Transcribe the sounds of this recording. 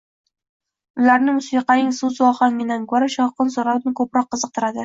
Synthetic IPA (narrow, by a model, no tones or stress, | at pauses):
ʊlaɾnɪmʊsiqɑnɪŋsuzɒχɒŋɪnankʰɵɾaʃɒwqɨnsoɾaw̪nɪkʰɵpɾɒqːɨzɨqt̪ʰɪɾad̪ɪ